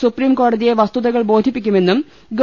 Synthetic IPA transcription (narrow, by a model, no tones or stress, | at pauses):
supriːmko̞ːɽɐðije̞ʋɐst̪uðɐɣɐɭbo̞ːd̪ʱipːikʲːume̞nːum | ɡ